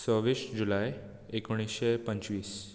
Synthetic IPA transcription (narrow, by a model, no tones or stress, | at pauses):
səʋiɕd͡ʑulaj | ekoɽ̃isɕepəɲt͡ɕʋiːs